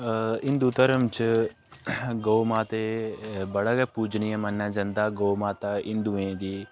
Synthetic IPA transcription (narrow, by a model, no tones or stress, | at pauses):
ɪnd̪uːt̪əɾəmt͡ʃ | ɡoːmaːt̪eːbəɽaːɡepuːd͡ʒnɪjãːmənːaːd͡ʒə̃nd̪aːɡoːmaːt̪aːɪnd̪uẽːɡ̪iː